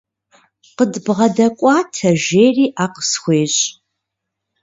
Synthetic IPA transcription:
qədbʁɐdɐkʷʼɑːtʰɐʒeːriːʔaːqə̥sxʷeːɕʼ

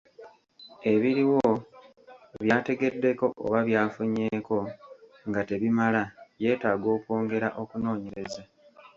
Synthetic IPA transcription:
e̞βiɾiwo | βjaːte̞ɡe̞dːe̞ko̞ʔo̰βaβjaːfuɲeːko̞ | ŋɡate̞βimalaje̞ːtaːɡo̞ːkwo̞ːŋɡe̞ɾaʔo̞kuno̞ːɲe̞ɾe̞za

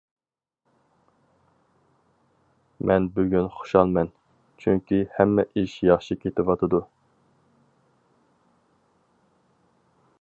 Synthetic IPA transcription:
mʔɛnbyɡʲynχo̥ʃɑlˠmɛn | t͡ʃʰyŋkʲihɛmːɛʔiʃjɑχʃikʲʰet̪ʰɪwɑt̪ʰɨd̪u

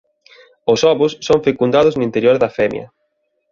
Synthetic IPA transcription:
ʊsɔβʊsːoɱfekund̪aðʊznʊint̪eɾjoɾðɐfɛmj̰ɐ̰

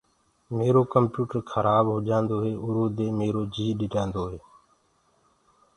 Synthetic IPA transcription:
meːɾoːkəmpjuːʈəɾkʰəɾʔaːbɦoːd͡ʒãːnd̪oːɦeːʔʊɾoːd̪eːmeːɾoːd͡ʒiːɗɪʈãːnd̪oːɦeː

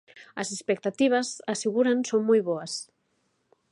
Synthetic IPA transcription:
ɐzespek̚t̪at̪iβ̞ɐzaseɣuɾansoŋmujβɔas

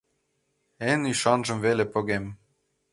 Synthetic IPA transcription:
eniʃɑnʒɤ̆mvelepɤ̆ɣem

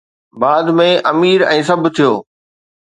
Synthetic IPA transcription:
baːd̪mẽʔɐmiːɾɛ̃ːsɐbʱt̪ʰijoː

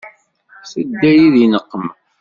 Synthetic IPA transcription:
səd̪ːæjiðinəqːəm

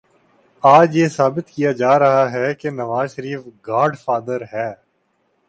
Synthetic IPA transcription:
aːd͡ʒjeːsaːbɪt̪kijad͡ʒaːɾɐɦaɦɛkenɐʋaːzʃəɾiːfɡaːɾɖfaːd̪əɾɦɛː

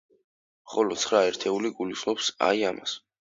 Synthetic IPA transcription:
χɔlɔt̪sʰχɾaɛɾt̪ʰɛuliɡulislˠɔpsa̰iama̰s

